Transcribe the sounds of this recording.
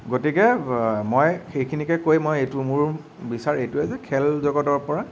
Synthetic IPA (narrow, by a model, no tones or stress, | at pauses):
ɡotikɛmojxejkʰinikɛkojmojejtʊmʊɹ | bisaɹejtʊɛzɛkʰɛlzɔɡɔtɔɹpɔɹa